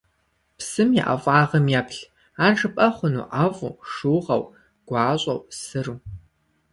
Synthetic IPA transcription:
psɨmjɛ̰ʔɐ̰vʷʼaːʁɐmjaːpɬ | aːʐɨpʼɐχʷʊnṵːʔavʼṵːʂɨwʁɐ̰w | ɡ̥ʷɑːɕʷʼɐ̰wsɨruː

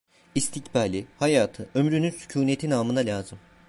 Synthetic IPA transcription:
ist̪ʰicbaːlʲihajaːt̪ʰɯʔø̞mɾynynsy̥cʰuːne̞t̪ʰinaːmɯnalʲaːzɯm

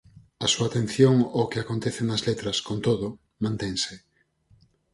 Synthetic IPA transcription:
ɐsuat̪ẽn̟θjoŋokeakont̪eθenɐzlet̪ɾɐskont̪oðo | mãnt̪ɛŋsɪ

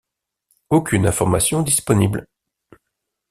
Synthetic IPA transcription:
okʲynɛ̃fɔʁmasjɔ̃d̪ispɔnibl

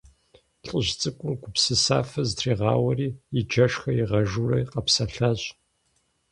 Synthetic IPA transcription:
ɬʼɨʑt͡sʼɨkʷʼʊmɡʷʊpsɨsa̰ːfɐztʰreːʁɑ̰ːwɐriːɪd͡ʒɐʂxɐjiʁɐʒurɐ̰jqɐpsɐɬɐʑʼ

